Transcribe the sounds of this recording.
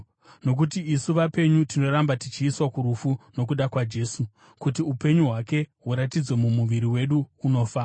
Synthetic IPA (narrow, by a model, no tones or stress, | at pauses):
no̞k̬utiisuʋape̞ɲutino̞ɾambatit͡ʃiːswakuɾufuno̞k̬uɗakwad͡ʒe̞ːsu | kutiupe̞ɲuɦwake̞ɦuɾatid͡zwe̞mumuʋiɾiwe̞ɗuːno̞ːfa